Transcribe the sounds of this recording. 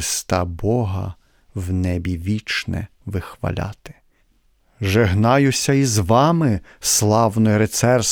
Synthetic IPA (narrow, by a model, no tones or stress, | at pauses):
st̪ɑbɔɦɐ̰ | wnɛbʲiʋʲit͡ʃnɛ̰ | ʋɪxʋɐ̰lʲa̰t̪ɪ̥ | ʒeɦnɑjʊsʲɐizʋɑmɪslˠɑwnɔjɾet̪sɛrs